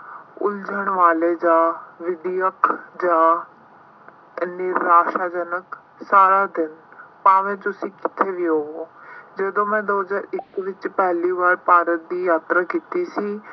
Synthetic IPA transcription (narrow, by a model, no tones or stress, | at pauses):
ʊ̰ld͡ʒəɳʋaːleːd͡ʒaːʋɪd̪ijəkʰd͡ʒaː | nɪɾːaːʃaːd͡ʒənək | saːɾaːd̪ɪnpaːʋẽːt̪ʊsĩːkɪ̥t̪ʰːeːʋiːɦoːoːd͡ʒəd̪õːmɛ̃ːd̪oːzaːɾɪkʋɪt͡ʃpɛːliːbaːɽpaːɾət̪̚d̪iːjaːt̪ɾaːkiːt̪iːsiː